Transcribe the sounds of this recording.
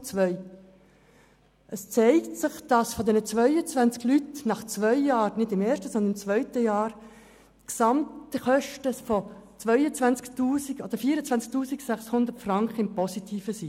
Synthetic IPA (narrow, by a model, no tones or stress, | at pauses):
t͡sʋœʏ | ʔəst͡sɛɪktsɪχd̥ɑsfɔdɛnət͡sʋœʏət͡svænt͡sklytnɑχt͡svœʏjɑːɾnɪdɪmɛːʃtəsɔnd̪ənɪmt͡svœʏtəjɑːɾ | ksɑmtəχœʃtəfɔt͡svœʏət͡sʋænt͡sktuːsiɡɔd̥əɾfiːəɾət͡svænt͡sk̚tuːsiksɛχshʊnd̪ərtfrɑŋkχəɪmpɔsitʰiːfəsi